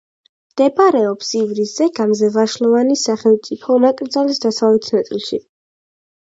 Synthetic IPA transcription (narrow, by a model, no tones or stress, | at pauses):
md̪̥ɛbaɾɛɔpsivɾisɛɡamzɛvaʃlˠɔvanisaχɛlˠmt̪sʼipʰɔnakʼɾd̪zalisd̪asavlɛt̪ʰnat̪sʼḭlˠʃi